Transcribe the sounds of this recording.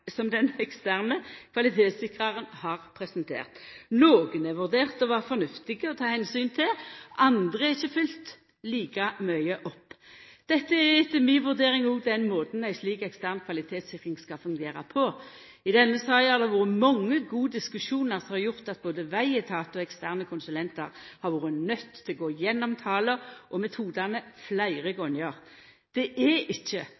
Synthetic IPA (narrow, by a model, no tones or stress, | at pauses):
sɔmd̪ɛnɛkst̪æʁnəkʰʋɑlɪt̪ʰeːt̪sɪkʁɑʁənhɑːʁpʰɾɛsənt̪ʰḛːʁt̪noːɡənɛʋʉʁd̪eːʁt̪ɔʋɑːʁfɔnʉft̪ɪɡəɔt̪ʰɑːhɛnsyːnt̪ʰɪlʔɑnd̪ʁəæɪçːəfʏlt̪ | liːkɑmœʏəʔɔpːd̪̥ɛt̪ːəɛɪt̪ːəmiːnʋʉʁd̪eːɾɪŋuːɡd̪ɛnmoːd̪n̩æɪsliːkɛkst̪æʁnkʰʋɑlɪt̪ʰeːt̪sɪkʁɪŋskɑfʉŋɡeːɾɑ̰pʰɔ | ɪd̪ɛnːəsɑːhæʁd̪ɛʋuːʁəmɔŋːəɡuːəd̪ɪskʉʃuːnəʁsɔmhɑɾjʊʁt̪ɑt̪̚boːd̪əʋæɪɛt̪ʰɑːt̪ɔɛkst̪æʁnəkʰʊnsʉlɛnt̪ɑʁhɑɾʋuːɾənœt̪ʰːɪlɡoːjɛnːɔmt̪ʰɑːləʔɔmɛt̪ʰuːd̪ɑnəflæɪʁəɡɔnjɑʁ | d̪̥ɛʔɛɪçːə